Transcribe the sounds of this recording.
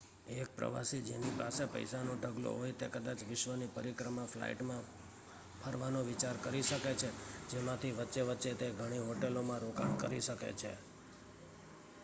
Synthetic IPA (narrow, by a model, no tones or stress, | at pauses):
ek̚pɾə̰ʋa̰sid͡ʒḛnipasepə̰jsanoɖʱəɡlo̰ɦojt̪ekəd̪at͡ʃʋɪʃʋənipəɾikɾəmãfla̰ḭʈmã | pʰəɾʋanõʋit͡ʃaɾkəɾiʃəket͡ʃʰed͡ʒemãt̪ʰiʋətːʃeʋətːʃet̪eɡʱəɽ̃iɦoʈelomãɾoka̰nkə̰ɾiʃəkḛt͡ʃʰḛ